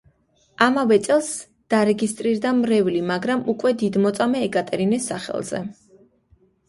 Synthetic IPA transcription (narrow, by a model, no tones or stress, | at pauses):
amavɛt̪sʼɛlˠs | d̪̥aɾɛɡist̪ʼɾiɾd̪amɾɛvlimaɡɾamukʼwɛd̪id̪mɔt̪sʼamɛːkʼat̪ʼɛɾinɛsːaχɛ̰lˠz̥ɛ̰